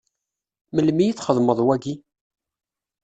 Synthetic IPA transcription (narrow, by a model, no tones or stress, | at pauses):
məlmijiθχəðˤməðˤwæɡi